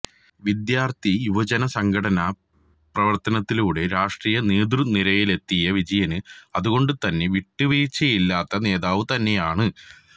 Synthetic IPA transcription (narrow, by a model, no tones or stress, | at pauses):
ʋid̪jaːrt̪ijuʋɐd͡ʑɐnɐsɐŋɡʱɐɽɐnɐ | prɐʋɐrt̪ɐnɐt̪ːiluːɽe̞ɾaːʂʈriːjɐneːd̪rɨniɾɐjile̞t̪ːijɐʋid͡ʑɐjɐnɨɐðuɣo̞ɳɖɨt̪ɐnːe̞ʋiʈːuʋiːt͡ɕːɐjilːaːt̪ːɐne̞ːðaːʋɨt̪ɐnːe̞jaːɳɨ